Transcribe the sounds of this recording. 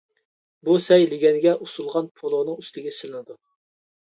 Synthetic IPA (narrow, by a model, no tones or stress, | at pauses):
busɛjlɪɡʲɛnɪɡʲɛʔusulˠʁɑnpʰolˠonɨŋyst̪ɪɡʲɛsɪlˠɨnɨd̪u